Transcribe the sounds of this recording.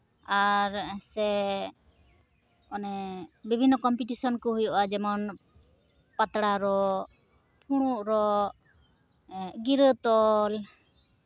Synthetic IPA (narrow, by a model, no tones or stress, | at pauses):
aɾsɛ | ɔnɛbibʱinːɔkɔmpiʈisɔnkɔɦujɔʔad͡ʒɛmɔn | pat̪ɽaɾɔ | pʰuɽ̃uʔɾɔ | ɡiɾət̪ɔl